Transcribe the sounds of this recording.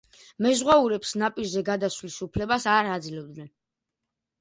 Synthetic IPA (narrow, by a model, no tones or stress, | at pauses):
mɛzʁwauɾɛpsnapʼiɾzɛɡad̪asvlisupʰlɛbasaɾad̪zilɛb̚d̪nɛn